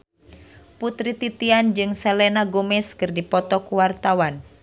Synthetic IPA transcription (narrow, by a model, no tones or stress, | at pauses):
put̪ɾit̪it̪iand͡ʒɨŋsɛlɛnaɡomɛskɨrdipɔt̪ɔkuwart̪awan